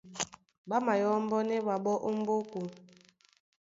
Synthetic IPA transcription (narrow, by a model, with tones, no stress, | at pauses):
ɓa˦ma˨jɔ˦m̩˦bɔ˦ne˦ba˨ɓɔ˦ʔu˦m̩˦bo˦ku˨